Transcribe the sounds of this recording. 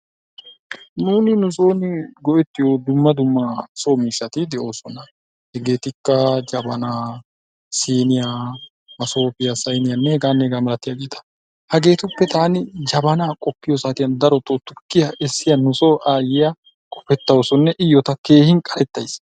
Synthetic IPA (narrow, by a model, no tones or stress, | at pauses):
nuːnɪnʊsoːnɪɡɔʔɛt̪ːɪjoːd̪ʊmːɐd̪ʊmːɐso̞ːmiːʃːɐt̪ɪd̪ɛʔo̞ːsɔnɐ | hɛɡe̞ːt̪ɪkːɐd͡ʒɐbɐnaː | siːnɪjaː | mɐso̞ːpɪjasɐjnɪjɐnːɛhɛɡaːnːɛhɛɡaːmɐlɐt̪ːɪjaɡeːt̪ʰɐ̥ | hɐɡe̞ːt̪ʊpːɛt̪aːnɪd͡ʒɐbɐnaːkʼɔpːɪjosaːt̪ɪjɐnd̪ɐɾɔt̪ot̪ːʊkːɪjɐʔɛsːɪjɐnʊsoːʔaːjɪja | kʼɔ̥fɛt̪ːɐwosɔnːɛʔɪjːɔt̪ɐke̞ːhɪnkʼɐɾɛt̪ːɐjs